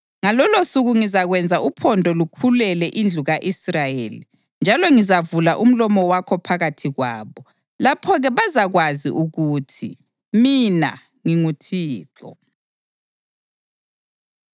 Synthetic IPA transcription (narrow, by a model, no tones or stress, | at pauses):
ŋalɔlosuɣuŋizaɣwɛnd͡zʱaʔupʰɔndʱɔlukʰulɛlɛʔind͡ɮʱuɣaʔisrajeli | nd͡ʒʱalɔŋizavulaʔum̩lɔmɔwakʰɔpʰaɣatʰiɣwa̰ːβɔ | lapʰɔɣɛβazaɣwazḭʔuɣutʰḭ | mina̰ | ŋiŋutʰiːǁɔ̰